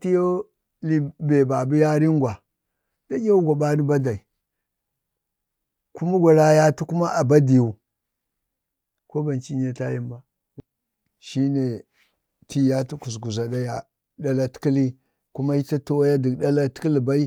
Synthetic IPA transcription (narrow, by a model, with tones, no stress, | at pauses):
ti˦jo˦ | li˦be˨ba˨bu˦ja˦ɾi˦ɡʷa˨ | da˦ɡa˦ɡa˨ba˦ni˦ba˦da˨i˨ | ku˦ma˦ɡʷa˨ɾa˦ja˦tu˦ku˦ma˦ʔa˨ba˦di˨ju˨ | ko˦ba˨nt͡ʃi˦ɲe˨ta˦ji˦mba˦ | ʃi˦ne˨ | tʰi˦ja˦tu˦ku˨s̬ɡu˨za˨da˦ja˨ | da˦la˦tkli˦ | ku˦ma˦i˦ta˦to˦wa˦ja˦di˨da˦la˦ti̥˦ki˦li˨ba˦i˦